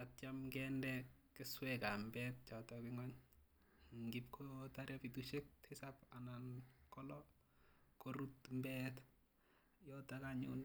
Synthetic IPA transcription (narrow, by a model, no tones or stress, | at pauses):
atjamkɛndɛkɪswɛkambɛt̚t͡ʃɔtɔkɪŋɔɲ | ŋɡip̚kʰotaɾjapituʃek̚tʰesapanankɔlɔ | koɾutmbɛt | jɔtakaɲṵn